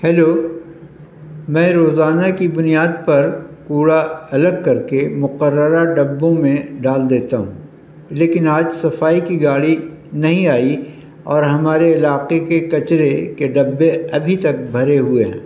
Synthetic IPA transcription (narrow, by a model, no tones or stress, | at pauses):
hɛːloː | mɛ̃ːɾoːzaːnakibʊnijaːd̪̚pɐɾkuːɽaɐləɡ̚kɐɾkemʊqəɾːəɾaɖɐbːõmẽɖaːld̪eːt̪aɦṵ̃ː | leːkɪnaːd͡ʒsɐfaːikiɡaːɽi | nɐɦĩaːi | ɔːɾɦɐmaːɾeɪlaːqekekɐt͡ʃɾekeɖɐbːeɐbʱit̪ɐk̚bʱɐɾeɦʊeɦɛ̃ː